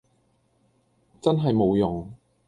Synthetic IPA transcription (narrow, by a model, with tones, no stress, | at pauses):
t͡sɐ˥nɦɐ˨jmo˨˧wjʊ˨ŋ